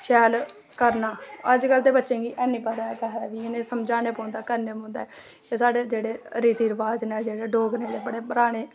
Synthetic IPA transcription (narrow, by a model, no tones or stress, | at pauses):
ʃɛːl | kəɾnaːəd͡ʒkəld̪eːbətːʃẽːɡiːʔɛːnĩːpəɦd̪aːɛkɛɦd̪aːʋiːɪnẽːsəmd͡ʒaːneːpõːnd̪aːkəɾneːpõːnd̪a̰ːɛ | eːsaːɖeːd͡ʒeːɽeːɾiːt̪iːɾəʋaːd͡ʒneːd͡ʒeːɽeːɖoːɡnẽːd̪eːbəɽeːbəɾaːɽ̃eː